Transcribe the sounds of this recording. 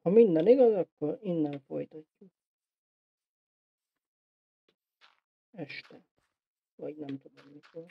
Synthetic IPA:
hɒmind̪ɛniɡɒzɒkːoɾinːɛnfo̰jt̪ɒcːuk̚ | ɛʃt̪ɛ | vɒɟnɛmt̪ud̪omːikor

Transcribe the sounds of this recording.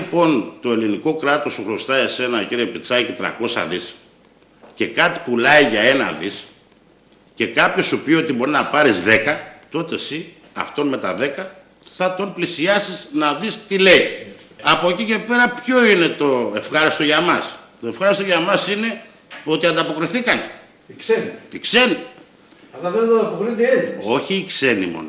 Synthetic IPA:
po̞nt̪o̞e̞liniko̞kɾɐt̪o̞suɣɾo̞st̪ɐe̞se̞nɐciɾiepit͡sɐcet̪ɾɐ̰ko̞sɐ̰ðis | ce̞kɐt̪i̥pulɐiʝɐe̞nɐ̰ðis | ce̞kɐpço̞supio̞t̪ibo̞ɾinɐpɐɾizðe̞kɐt̪o̞t̪e̞si | ɐ̰ft̪o̞nme̞t̪ɐðe̞kɐ | θɐt̪o̞nplisiɐsiznɐðist̪ile̞iɐpocice̞pe̞ɾɐpço̞ine̞t̪o̞efxɐɾist̪o̞ʝɐmɐst̪o̞efxɐɾist̪o̞ʝɐmɐsine̞ | o̞t̪iɐnd̪ɐpo̞kɾiθikɐne | ikseniikseni | ɐlɐðed̪oɐpokɾid̪ielo̞çiːkse̞nḭmo̞̰n

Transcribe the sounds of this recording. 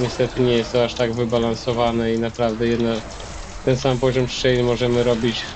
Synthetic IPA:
ɲɛst̪ɛt̪ɘɲɛjɛst̪ɔaʂt̪aɡvɘbalansɔvanɛinapɾavd̪ɛjɛd̪na | t̪ɛnsampɔʑɔmʂt͡ʂɛjnɘmɔʐɛmɘɾɔbʲit͡ɕ

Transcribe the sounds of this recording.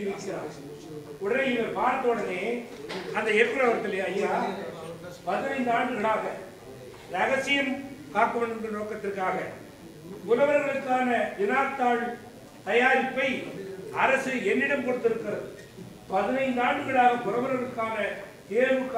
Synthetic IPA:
ʋɪkːɪɾa̰ːn | ʊɽɐɪlɐpaːɾɐt̪ːɐɔɽɐneːɐnd̪ɐɛkɪɾɐʋɐɾt̪ɪleɐjːaː | pɐðɪnɐɪnd̪aːɳɖɯɣɐɭaːɣɐ | ɾɐɣɐsɪjɐmkaːkːɯʋɐnɯnd̪ɐnoːkːɐt̪ːɪrkːaːɣɐ | ʊlɐʋɐɾɐɣɐɭɯkːaːnɐʋɪnaːt̪ːaːɻ | t̪ɐjaːɾɪpːɐɪɐɾɐsɯɛnːɪɽɐmkɔɽɯt̪ːɪɾɯkːɪɾɐðɯ | pɐðɪnɐɪnd̪aːɳɖɯɣɐɭaːɣɐkʊɾɐʋɐɾɣɐɭɯkːaːnɐ | t̪eːʋɯkː

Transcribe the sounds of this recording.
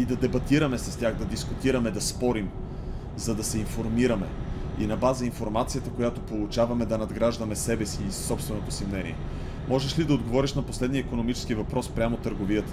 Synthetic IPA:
id̪ɐd̪ɛbɐt̪iɾɐmɛsɐst̪ʲjaxd̪ɐd̪iskʊt̪iɾɐmɛd̪ɐspɔɾim | zɐd̪ɐsɛinfoɾmiɾɐmɛ̰ḭnɐbazəinfoɾmat̪sijət̪əkojat̪opolˠʊt͡ʃavɐmɛd̪ɐnɐd̪ɡɾaʒd̪ɐmɛsɛbɛsiːssɔpst̪vɛnot̪osimnɛnḭɛ̰ | mɔʒɛʃlid̪ɐod̪ɡovɔɾiʃnɐposlɛd̪niəikonomit͡ʃɛ̥skivɐpɾɔspɾʲamot̪əɾɡoviət̪ə̥

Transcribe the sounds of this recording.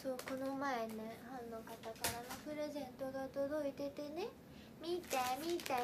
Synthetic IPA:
soːko̞nomaeahõnːo̞kat̪akaɾanopɯ̟ɾe̞zẽ̞nt̪o̞ɡaot̪od̪o̞it̪e̞t̪e̞ne̞ | mʲit̪amʲit̪a

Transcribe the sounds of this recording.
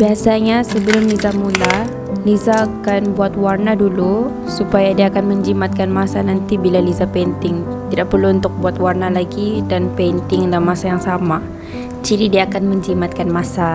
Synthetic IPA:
biasaɲasəbəlʊmlizamula | lizaːkanbuat̪warnadulu | supajadiaːkanməɲd͡ʒimat̪̚kanmasanant̪ibilalizapɛnt̪ɪŋ | t̪idaʔpərluunt̪ʊk̚buat̪warnalaɡidanpɛnt̪ɪŋlamːasajaŋsama | t͡ʃiɾidiaːkanməɲd͡ʒimat̪̚kanmasa

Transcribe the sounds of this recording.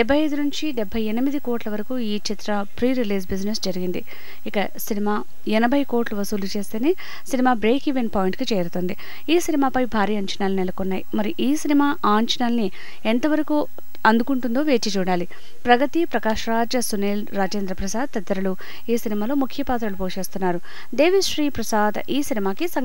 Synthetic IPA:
ɖɛbʱːɐjɐjd̪unuɲt͡ʃiɖɛbʱːɐjenimid̪iko̞ːʈlɐʋɐɾɐkuːiːt͡ʃit̪ɾɐ | pɾiːɾiliːsbid͡ʒnesd͡ʒɐɾiɡind̪i | ikɐ | sinimaː | ɛnɐbʱɐjko̞ːʈluʋɐsuːlut͡ʃe̞ːst̪eːneː | sinimaːbɾe̞ːkiʋenpaːjiɳʈkit͡ʃɛːɾut̪oːnd̪i | iːsinimaːpɐjbʱaːɾiːɐɲt͡ʃɐnaːlunɛlɐkonːaːjimɐɾiʔiːsinimaːʔaːɲt͡ʃɐnaːlni | ɛnt̪ɐʋɐɾɐku | ɐnd̪ukuɳʈund̪oːʋe̞ːt͡ʃit͡ʃuːɽaːli | pɾɐɡɐt̪ipɾɐkaːʃɾaːd͡ʒɐsuneːlɾaːd͡ʒeːnd̪ɾɐpɾɐsaːd̪̚t̪ɐd̪ːɐɾɐlu | iːsinimaːlo̞ːmukʰːjɐpaːt̪̬ɾɐlupoːʂeːst̪unːaːɾu | d̪e̞ːʋiʂɾiːpɾɐsaːd̪iːsinimaːkisɐŋ

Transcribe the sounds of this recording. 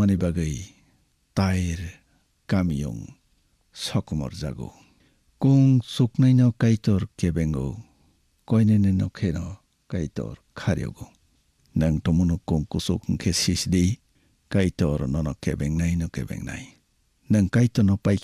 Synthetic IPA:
manibaɡɯj | tajɾ | kamjɔ̰ŋ | sɔkmɔ̰ɾza̰ɡɔ̰ | kuŋsuknajnɔkajtɔɾkebeŋɡɯ̰ | kɔjnenenɔkʰenɔ | kajtɔ̰ɾkʰaɾḭjɔ̰ɡɔ | nɯŋtɔmunɔkuŋkusukʰŋkʰesisdij | kajtɔɾnɔnɔkebeŋnajnɔkebḛŋna̰j | nɯŋkajtɔnɔpaj

